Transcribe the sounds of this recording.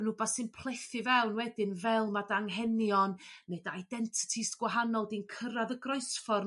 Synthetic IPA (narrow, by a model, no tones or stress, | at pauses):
ənuːbasɨnpʰl̥ˠeθɨvɛwnwɛdɪnvɛlˠmadaŋɦɛnjɔnːedaajdɛntʰɪ̥tʰisɡ̥waɦanɔlˠdinkʰəɾaðəɡrɔɨsfɔr